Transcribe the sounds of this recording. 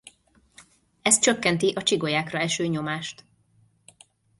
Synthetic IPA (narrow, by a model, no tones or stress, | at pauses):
ɛst̪̚t͡ʃøkːɛnt̪iʔɒt͡ʃiɡo̞jaːkrɒɛʃøːɲo̞maːʃt̪